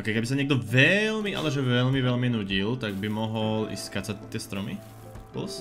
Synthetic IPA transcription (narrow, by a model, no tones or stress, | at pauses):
ʔɔkɛɪkɛbisaɲɪɛɡd̪ɔvɛlmiʔa̰lɛʒɛʋɛʎmiʋɛʎminuɟilt̪aɡ̚bimɔɦɔlḭskacsat̪ːɪɛst̪ɾɔmi | pl̩s